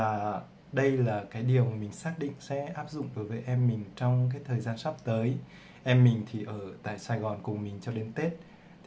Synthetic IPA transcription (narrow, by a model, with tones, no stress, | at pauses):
aː˨˩ | ɗə˧jlaː˨˩kaː˨˦jɗi˨˩əwmï˨˩ŋ̟saː˦˥k̚ɗḭ˧˨ŋ̟sɛ̰˧˥ʔaː˦˥p̚zʊ̰˧˨ŋ͡mɗo˨˦jvəː˨˦jʔɛ˧mːï˨˩ŋ̟t͡ɕɔ˧wŋ͡mkaː˨˦jt̪ʰəː˨˩jzaː˧nsa˦˥p̚t̪əː˨˦j | ʔɛ˧mːï˨˩ŋ̟t̪ʰi˨˩ʔəː˧˩t̪a̰ː˧˨jsaː˧jɣɔ˨˩nkʊ˨˩ŋ͡mmï˨˩ŋ̟t͡ɕɔ˧ɗe˧nt̪e˦˥t̪̚ʰ